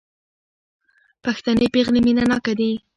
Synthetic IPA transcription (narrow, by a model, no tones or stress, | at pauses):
paxt̪anepeɣleminanɑkad̪i